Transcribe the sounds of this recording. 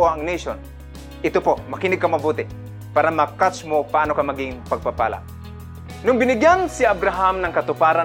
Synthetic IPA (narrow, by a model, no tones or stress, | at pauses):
oɐŋneʃon | ʔɪt̪opomɐkɪnɪɡ̚kamɐbuːt̪ɪ | paːɾamakat͡ʃmopaʔaːnokamaɡɪŋpaɡ̚papa̰ːla̰ʔ | nʊŋbɪnɪɡjansɪabɾaɦamnɐŋkat̪ʊpaːɾa